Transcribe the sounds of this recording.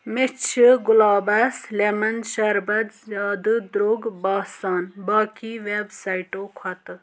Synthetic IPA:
mɪt͡ʃʰɡʊlaːbɐslemɐnʃɐɾbɐd͡ʒaːd̪ɨd̪ɾoːɡbaːsaːnbaːkiʋeːbsaːiʈoːkʰwɐt̪

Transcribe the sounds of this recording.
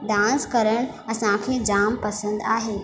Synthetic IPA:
d̪ãːnskɐɾəɽ̃ | ɐsãkʰeːd͡ʑaːmpɐsə̃nd̪aːɦeː

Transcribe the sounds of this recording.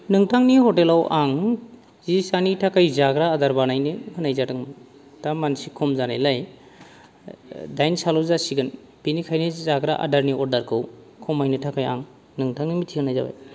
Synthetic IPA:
nɯŋtʰaŋnihɔtelawʔaŋ | zisanitʰakajzaɡɾaːdaɾbanajnɯhʰɯnajzatɯŋ | tamansikʰɔmzanajlaj | dajnsalɔzasiɡɯn | binikʰajnɯzaɡɾaʔa̰daɾniɔɾdaɾkʰɯw | kʰɔmajnɯtʰakaja̰ŋ | nɯŋtʰaŋnimitʰikɯnajza̰ba̰j

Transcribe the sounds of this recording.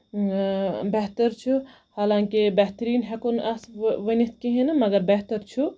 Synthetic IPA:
bɛɦt̪ɐɾt͡ʃʰu | haːlãːŋkibɛɦt̪ɾiːnɦɛkonʔasʋɐnit̪̚ʰkiɦẽnɐmɐɡɐɾbɛɦt̪ɐɾt͡ʃʰu

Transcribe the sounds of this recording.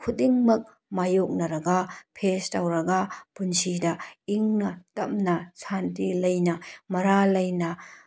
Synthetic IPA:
kʰudiŋmɐk̚ | majok̚nɐɾɐɡɐpʰestawɾɐɡɐpunsidɐiŋnɐtɐp̚nɐsantilɐjnɐmɐɾalɐjnɐ

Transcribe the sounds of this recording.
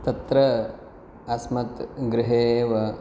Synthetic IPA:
t̪ɐt̪ɾɐ | ɐsmɐt̪ɡɾɪɦeːʋɐ

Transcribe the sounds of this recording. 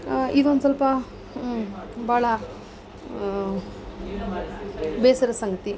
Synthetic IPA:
id̪ond̪usɐlpɐ | baːɭɐ | beːsɐɾɐsɐŋɡɐt̪i

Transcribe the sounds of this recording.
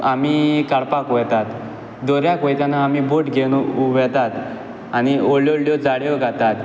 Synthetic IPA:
amikaɽpakɔjt̪at̪ | d̪ɔɾjakɔjt̪janaːmiboʈɡʱeñʋɛt̪at̪ | añioɭjɔɽljɔd͡zaɽjɔɡʱat̪at̪

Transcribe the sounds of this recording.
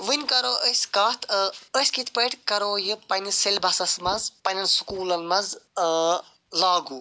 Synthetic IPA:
ʋinʲkɐɾoːʔəskaːt̪ʰəsʲkit̪ʰpəʈkɐɾoːjipɐnʲiselʲbɐsɐsmɐzpɐnʲɐnskuːlɐnmɐnz | laːɡuː

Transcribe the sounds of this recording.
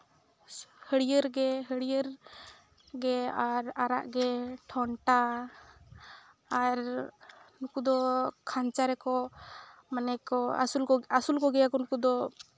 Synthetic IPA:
həɽijəɾɡɛɦəɽijəɾ | ɡɛaɾaɾa̰ʔɡɛʈʰɔɳʈa | ɾ | nukud̪ɔkʰaɲt͡ʃaɾɛkɔ | manɛkɔa̰sulkɔasulkɔɡɛjakɔnukud̪ɔ

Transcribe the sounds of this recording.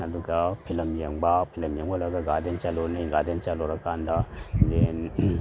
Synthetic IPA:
ɐduɡɐpʰilɐmjeŋbɐpʰilɐmjeŋbɐlɐɡɐɡadent͡ʃalɔniɡadent͡ʃaloɾɐkandɐlen

